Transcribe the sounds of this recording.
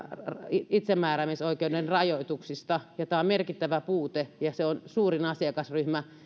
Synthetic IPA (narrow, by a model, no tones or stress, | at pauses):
riit̪semːæːræmisoikeudenrɑjoit̪uksist̪ɑjot̪æˑommerkit̪ːæʋæpuːt̪ejɑseonsuːrinɑsiɑkɑsryhmæ